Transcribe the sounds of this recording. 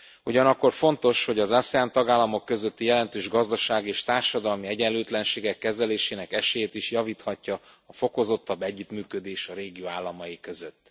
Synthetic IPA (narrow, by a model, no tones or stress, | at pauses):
uɟɒnɒkːo̞rfo̞nt̪o̞ʃho̞ɟɒzsɛaːnt̪ɒɡaːlːɒmo̞kːø̞zøt̪ːijɛlɛnt̪øːʒɡɒzd̪ɒʃaːɡieːʃt̪aːrʃɒd̪ɒlmiɛɟɛlːøːt̪lɛnʃeːɡɛkːɛzɛleːʃeːnɛkɛʃeːjeːt̪iʃjɒviːt̪hɒcːɒɒfo̞ko̞zo̞t̪ːɒbːɛɟːyt̪myːkø̞d̪eːʃɒɾeːɡijoːaːlːɒmɒjikø̞zøt̪ː